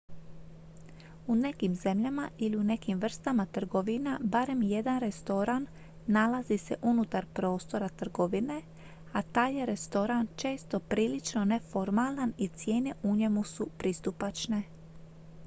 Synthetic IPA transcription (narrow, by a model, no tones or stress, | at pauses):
une̞kimze̞mʎamaʔiliune̞kimʋr̩st̪amat̪r̩ɡo̞ʋinabaɾe̞mje̞d̪anɾe̞st̪o̞ɾanː | alazise̞̰ʔunut̪aɾpɾo̞ːst̪o̞ɾat̪r̩ɡo̞ʋine̞ | at̪aːjeɾe̞st̪o̞ɾant͡ʃe̞ːst̪o̞pɾiːlit͡ʃno̞ne̞fo̞ɾmalanit̪sje̞ːne̞ʔuɲe̞musupɾist̪upat͡ʃne̞